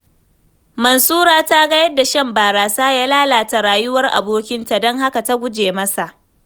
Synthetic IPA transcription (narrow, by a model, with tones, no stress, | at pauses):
mɐ˨nsuː˦ɾaː˦˨ta˦ɡɐ˦jɐ˦da˨ʃɐ˦mbaː˨ɾaː˨saː˦jaː˦laː˦laː˨ta˨ɾaː˨jʊ˦wɐ˦rʔa̰˨boː˦kʲɪ˦nta˨dɔ˦ŋha˦ka˨ta˦ɡʷʊ˦d͡ʒeː˨mɐ˦sa˨ʔ